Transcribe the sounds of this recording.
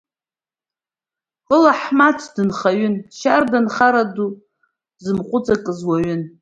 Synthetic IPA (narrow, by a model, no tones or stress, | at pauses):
ʊlaħmatʰdɨnχaɥʏnʃardanχaɾadu | zɨmqʷʼʊt͡sʼakʼɨzwaɥʏn